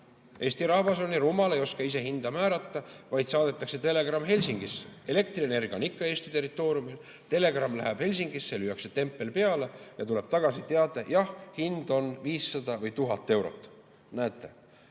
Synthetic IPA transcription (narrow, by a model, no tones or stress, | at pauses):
ʔe̞ːst̪iɾɑːvɑso̞niɾumɑle̞jo̞skɑis̬e̞ɦind̪̥ɑmæːɾɑt̪ːɑvɑjd̪̥sɑːd̪et̪ːˑɑkse̞t̪e̞le̞ɡ̥rɑmːɦe̞lʲsiŋɡ̥ise̞le̞k̚t̪riene̞rɡ̥ʲiɑ̰nikːɑe̞ːst̪it̪e̞rːit̪ːˑo̞ːɾjumil | t̪e̞le̞ɡ̥rɑmːlæ̰ɦeb̥he̞lʲs̬iŋɡ̥isːelyjɑkse̞t̪e̞mpːˑe̞lpe̞ɑle̞jɑ̰t̪ule̞b̥t̪ɑɡ̥ɑsit̪e̞ɑd̪̥ɑjɑhhind̪̥o̞nviːsːɑd̪̥ɑvɤjt̪uɦɑt̪ːˑe̞wɾo̞̰t̪ːˑ | næːt̪ːˑe̞